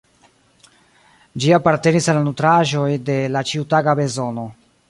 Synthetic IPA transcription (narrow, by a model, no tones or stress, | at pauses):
d͡ʒiapaɾte̞nisalːanutɾaʒo̞jde̞lat͡ʃiutaɡabe̞zo̞no̞